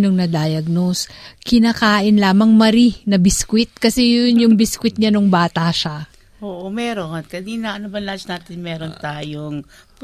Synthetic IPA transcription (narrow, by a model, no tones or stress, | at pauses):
noŋnɐd̪ajɐɡ̚noskɪnaːkaːʔɪnlaːmɐŋmɐɾinɐbɪskwɪt̪̚kɐsɛjʊnjʊŋbɪskwɪt̪̚ɲanʊŋbaːt̪ɐʃa | ʔoːʔomɛːɾonkɐd̪inɐʔɐnɐbɐnlasnaːt̪ɪnmɛːɾont̪aːjoŋ